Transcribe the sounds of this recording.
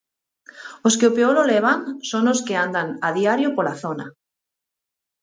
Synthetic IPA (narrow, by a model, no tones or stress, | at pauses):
oskeopeoɾoleβ̞aŋsoŋoskeand̪aŋaðiaɾjopolaθona